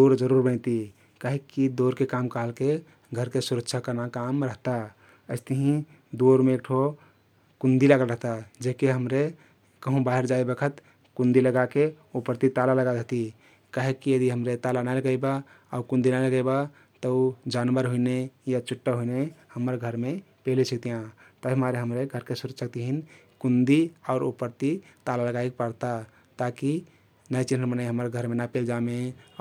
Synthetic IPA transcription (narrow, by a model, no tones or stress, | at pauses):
d̪oɾd͡ʒəɾuɾbənt̪i | kaɦekːid̪oɾkekamkəɦəlke | ɡʱəɾkesuɾəkt͡ʃʰakəɾnakamɾəɦt̪a | əɪst̪əɦĩ | d̪oɾmẽːkʈʰo | kũnd̪ilaɡəlɾəɦt̪ad͡ʒekeɦəmɾe | kəɦũbaɦeɾd͡ʒaebekʰət̪ | kund̪iləɡake | opɾt̪it̪alaləɡad̪et̪i | kaɦekːijəd̪iɦəmɾet̪alanajləɡəba | aukũnd̪inajləɡəjba | t̪əud͡ʒanbəɾɦuinejat͡ʃʰuʈːəɦuinehəmːəɾɡʱəɾme | pelisʰək̚t̪ijã | t̪əɦimaɾeɦəmɾeɡʱəɾkesuɾusək̚t̪iɦin | kund̪iaʊɾṵpəɾt̪it̪alaləɡajkpəɾt̪a | t̪aki | nəjt͡ʃin̤ɦənmənajɦəməɾɡʱəɾmenapeld͡ʒame